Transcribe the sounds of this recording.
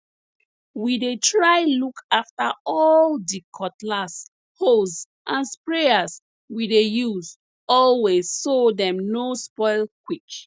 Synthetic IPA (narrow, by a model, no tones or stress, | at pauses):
widetɹaɪlukʰaftaɔldikʰɔtlas | hos | ʔãnspɹeaz | widejuz | ɔlwezsodɛ̃mnospɔɪlkwik